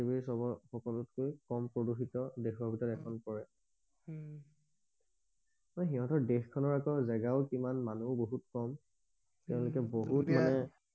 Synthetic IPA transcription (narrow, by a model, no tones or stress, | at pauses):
ibiisɔbɔxɔkɔlutkojkɔmpoduxitɔdexɔɹbʱitɔtɛkʰɔnpɔɹɛ | mɔnxiɦɔ̃tɔɹdexkʰɔnɔɹakɔzɛɡaʊkimanmanuboɦutkɔm | tɛʊ̃lʊkɛboɦutmanɛ